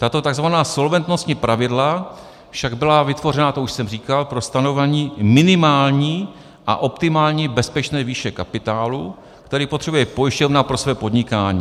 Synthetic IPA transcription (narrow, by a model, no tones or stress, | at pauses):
t̪at̪o̞t̪aɡzvanaːso̞lvɛnt̪no̞st̪ɲipɾʔavɪdla | fʃaɡbɪlavɪt̪vo̞rɛnat̪o̞uʃsɛmriːkalpɾo̞st̪anovɛɲiːmɪnɪmaːlɲiː | ʔa̰ʔo̞pt̪ɪmaːlɲiːbɛspɛt͡ʃnɛːviːʃɛkapɪt̪aːlu | kt̪ɛɾiːpo̞t̪r̥ɛbujɛpo̞jɪʃcovnaːpɾo̞svɛːpo̞d̪ɲɪkaːɲiː